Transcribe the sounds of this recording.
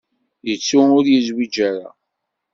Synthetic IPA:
jət͡sːuʊɾjəzwid͡ʒaɾa̰

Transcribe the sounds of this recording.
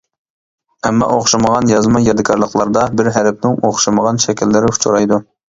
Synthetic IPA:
ɛmːɑ̰ʔoχʃɑməʁɑnjɑzmɑjɑd̪ɪkʰɑɾlˠəχlˠɑɾd̪ɑbɪɾɦæɾp̚nɪŋoχʃɑməʁɑnʃɛkʲɪlːɪɾɪu̥t͡ʃʰuɾɑjd̪u

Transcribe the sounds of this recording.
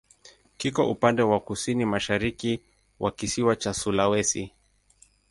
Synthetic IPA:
kikɔʔupandɛwakusinimaʃaɾiki | wʔakisiwat͡ʃasulawɛsi

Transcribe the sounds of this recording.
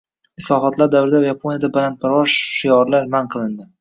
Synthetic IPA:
ɪslˠɒɦɒt̪ʰlaɾd̪avɾɪd̪ajapʰonijad̪abalant̪̚baɾvɒʃːɪjɒɾlaɾmanqʰɨlˠɪnd̪ɪ

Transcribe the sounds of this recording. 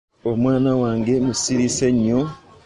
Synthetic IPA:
omwaːnawaːŋɡe̞musiɾiseɲːo

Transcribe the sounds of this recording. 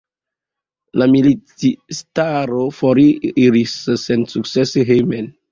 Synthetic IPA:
lamiliistaɾofoɾiɾisːensuk̚seseɦemen

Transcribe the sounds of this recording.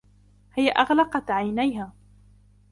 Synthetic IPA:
hɪjaʔɑɣlɑqɑt̪ʕajnajɦaː

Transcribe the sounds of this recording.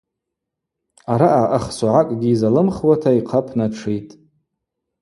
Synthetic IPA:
aɾaʔaʔaχsaʕakʼɡʲiːzalɨmχwatʰaiqʰapʰnaʈ͡ʂʰijtʼ

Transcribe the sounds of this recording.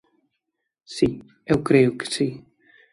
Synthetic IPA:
si | ewkɾeuksi

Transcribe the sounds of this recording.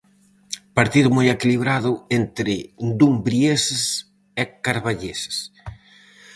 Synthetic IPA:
paɾt̪iðʊmojekiliβɾaðʊent̪ɾɪd̪umbɾiesɪs | ɛkaɾβaʎesɪ̥s

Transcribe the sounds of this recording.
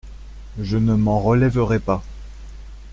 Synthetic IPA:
ʒənəmɑ̃ʁəlɛvəʁɛpa

